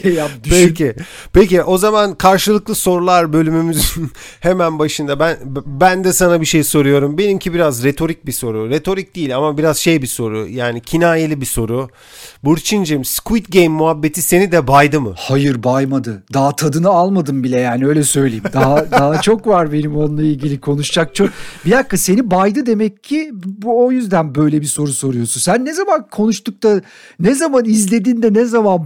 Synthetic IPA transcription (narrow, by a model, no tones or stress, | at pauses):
ejapd̪ypelʲcʰi | peciʔo̞zamankʰaɾʃɯlˠɯklˠɯso̞ɾulˠaɾbø̞lʲymymyzyn | hemænbaʃɯnd̪abænbænd̪ɛsanabiʃe̞jso̞ɾujo̞ɾumbe̞nimcʰibiɾazɾet̪ʰo̞ɾic̚biso̞ɾuɾet̪ʰo̞ɾic̚d̪̥iːlʲamabiɾazʃe̞jbiso̞ɾṵjaːnicʰinaːjelʲibiso̞ɾʊ | buɾt͡ʃʰind͡ʒemskuit̪ɟejmːuɦabːe̞t̪ʰise̞nid̪ɛbajd̪ɯmɯ̰hajɯɾbajmad̪ɯd̪aɦat̪ʰad̪ɯnɯalˠmad̪ɯmbilʲɛjaːniø̞jlʲɛsø̞jlʲejid̪aɦad̪aɦat͡ʃʰo̞kvaɾbe̞nimo̞nlˠailʲɟilʲikʰo̞nuʃt͡ʃak̚t͡ʃʰok̚bilakːase̞nibajd̪ɯd̪e̞mɛcʰːibuojyzd̪ænbø̞jlʲɛbiso̞ɾuso̞ɾujo̞sunsænːɛzamankʰo̞nuʃt̪uk̚t̪a | nɛzamanizlʲe̞d̪ind̪ɛnɛzaman